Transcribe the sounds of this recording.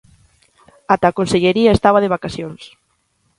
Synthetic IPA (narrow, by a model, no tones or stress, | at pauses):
at̪akonseʎeɾiaest̪aβaðeβ̞akasjons